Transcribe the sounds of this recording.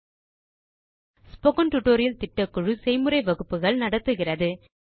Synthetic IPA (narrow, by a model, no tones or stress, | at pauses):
spɔkɐnʈʊʈːoːɾɪjɐlt̪ɪʈːɐkːʊɻɯsɛɪmɯɾɐɪʋɐɣɯpːɯɣɐɭnɐɽɐt̪ːɯɣɪrɐðɯ